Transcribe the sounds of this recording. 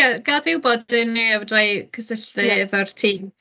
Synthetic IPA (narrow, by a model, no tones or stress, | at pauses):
aɡaðɪwbɔdɪniavɔdajkʰəsəɬtɨvərtʰiːm